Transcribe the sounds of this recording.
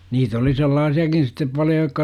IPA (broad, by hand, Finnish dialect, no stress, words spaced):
niːt oli selːɑːsiɑkin̞ sitːep pɑljo jokːɑ